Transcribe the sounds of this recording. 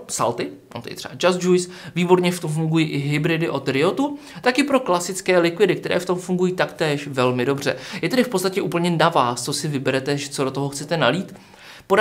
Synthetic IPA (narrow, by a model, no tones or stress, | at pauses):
sa̰lt̪ɪ | o̰t̪ɛ̰ɪ̰t̪r̥ɛ̰bad͡ʒazd͡ʒujs | viːbo̞ɾɲɛft̪o̞mfuŋɡujiːʔɪɦɪbɾɪdɪʔo̞t̪ɾɪot̪u | t̪akɪpɾo̞klasɪt͡skɛːlɪkvɪdɪk̚t̪ɛɾʔɛ̰ːft̪o̞mfuŋɡujiːt̪akt̪ɛːʃvɛlmɪdo̞br̝ɛ̰jɛt̪ɛɾɪfpott͡sst̪acɛʔuːpl̩ɲɛnavaːst͡so̞sɪvɪbɛɾɛt̪ɛʒɛt͡sodo̞t̪oɦoxt͡sɛt̪ɛnaliːt̪ | po